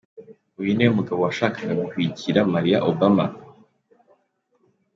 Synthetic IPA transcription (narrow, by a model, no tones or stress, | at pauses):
ujinejomuɡaβo̞waʃaːkʰaɡaɡukwiciɾamaɾija̰ʔobama̰